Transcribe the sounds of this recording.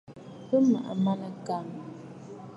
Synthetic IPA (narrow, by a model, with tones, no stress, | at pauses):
pə˦ma̰˨ʔa̰˨ma˦na˦ka˦˨ŋ